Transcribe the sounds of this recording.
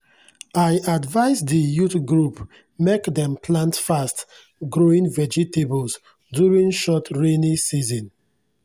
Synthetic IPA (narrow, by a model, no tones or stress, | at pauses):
aɪʔadvaɪsdijutɡɹup | mekdɛ̃mpʰlãntfast | ɡɹoĩŋvɛd͡ʒitebɔls | djuɹĩŋʃɔtʰɹenisizɔ̃n